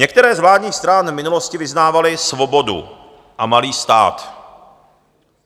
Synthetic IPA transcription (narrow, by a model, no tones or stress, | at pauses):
ɲɛk̚t̪ɛɾɛːzvlaːdɲiːxst̪ɾanmɪnuloscɪvɪznaːvalɪsvo̞bo̞dṵ | ʔamaliːst̪a̰ːt̪